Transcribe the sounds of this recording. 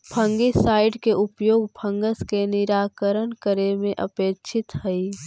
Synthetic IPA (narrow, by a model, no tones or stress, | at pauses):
pʰə̃ŋɡisaːɪɖkeʔʊpjoːɡpʰə̃ŋɡəskenɪɾaːkəɾənkəɾemẽʔəpeːkt͡ʃʰɪt̪ɦəi